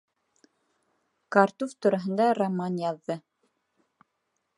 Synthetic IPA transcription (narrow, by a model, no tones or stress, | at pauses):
kart̪uft̪uɾɑɦɤ̆nd̪ɑramanjɑðːɤ